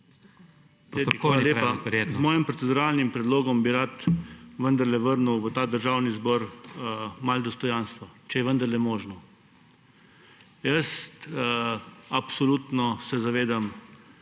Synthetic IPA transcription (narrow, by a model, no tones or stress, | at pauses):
eaaljeːpaɾjezmɔːjimpɾɔt̪sɛd̪uɾaːlnimpɾɛd̪loːɡɔmbiɾat̪ʋənd̪əɾlɛʋəɾnuwʋət̪aːd̪əɾʒaːwnizbɔːɾ | mald̪ɔst̪ɔjanst̪ʋɔt͡ʃɛjɛʋənd̪əɾlɛmɔːʒnɔ | jəst̪ | apsɔlut̪nɔsɛzaʋeːd̪am